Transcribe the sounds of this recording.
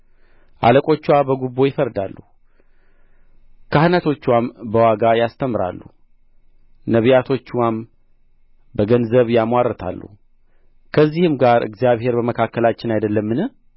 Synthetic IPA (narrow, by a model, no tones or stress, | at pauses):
ʔa̰ləkʼo̞t͡ʃːwabəɡubːo̞jɪfəɾd̪alːu | kʰahnat̪ʰo̞t͡ʃːwambəwaɡajast̪ʰəmɾa̰lːṵ | nəβijat̪ʰo̞t͡ʃːwam | bəɡənzəβjamwarət̪ʰa̰lːṵ | kʰəzːihɨmɡaɾɨ̰ɡzijaβhe̞ɾbəməkʰakːəlat͡ʃːɪnajd̪əlːəmːɨnɨ